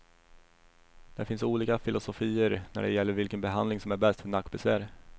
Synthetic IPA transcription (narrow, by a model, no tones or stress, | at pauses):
d̪̥æɾfɪnsuːliːkafɪlʊsʊfiːəɾnæ̰ɖɛ̰jɛlːəɾvɪlkənbɛɦand̪lɪŋsɔmæɾbɛst̪fœɳakːbɛsvæːɾ